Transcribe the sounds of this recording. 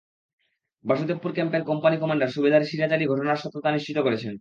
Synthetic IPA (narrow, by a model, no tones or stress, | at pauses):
bʱaʃut̪epːuɾkɛmpeɾkɔmpanikɔmaɳɖaɾʃubed̪ʱaɾʃiɾat͡ɕaliɡʱɔʂonaɾʃɔt̪ːot̪aniʃt͡ɕit̪okoɾet͡ɕʰen